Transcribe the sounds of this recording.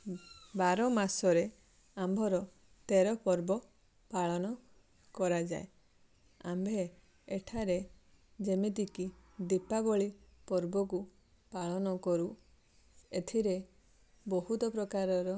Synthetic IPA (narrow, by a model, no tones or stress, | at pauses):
baɾɔmasɔɾe | ambʱɔɾɔ | t̪eɾɔpɔɾbɔ | paɭɔnɔ | kɔɾad͡ʒa̰e | a̰mbʱe | eʈʰaɾe | d͡ʒemit̪ikid̪ipaɡɔɭipɔɾbɔku | paɭɔnɔkɔɾu | et̪ʰiɾe | bɔɦut̪ɔpɾɔkaɾɔɾɔ